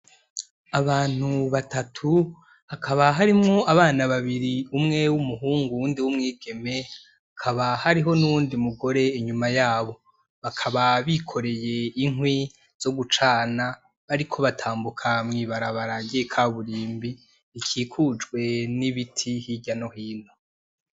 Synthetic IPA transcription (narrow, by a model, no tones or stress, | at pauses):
aβaːn̥huβatatʰu | akʰaβaɦaɾimŋo̞aβaːnaβaβiɾiumŋe̞wumuɦuːŋɡuwuːndiwumŋiːɡ̥e̞me̞ | akʰaβahaɾiɦo̞nuβuːndimuɡo̞ɾe̞iɲumajaːβo̞ | βakʰaβaβikʰo̞ɾe̞je̞iŋwi | z̥o̞ɡut͡ʃaːna | βaɾikʰo̞βatʰaːmbukʰamŋiːβaɾaβaɾaɟiekʰaːβuɾiːmbiː | kʰiːkʰud͡ʒɡwe̞niβitʰihiɟano̞hiːn̥o